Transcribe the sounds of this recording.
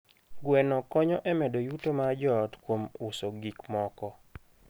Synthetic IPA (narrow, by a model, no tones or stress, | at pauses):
ɡwɛnɔkɔɲɔʔɛmɛdojutomad͡ʒɔtkwomʊsoɡikmɔkɔ